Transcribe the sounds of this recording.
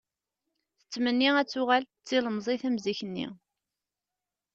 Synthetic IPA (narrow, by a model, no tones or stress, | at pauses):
θə̥t͡sːmənːiæt͡sːʊʁæl | t͡sːiləmzˤiθæmziçənːḭ